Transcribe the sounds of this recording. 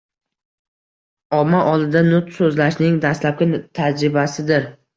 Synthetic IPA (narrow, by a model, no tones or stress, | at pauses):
ɒmːaʔɒlˠɪd̪anʊt̪sɵzlaʃnɪŋd̪ast̪lap̚kʲat̪ʰad͡ʒɾɪbasɪd̪ɪɾ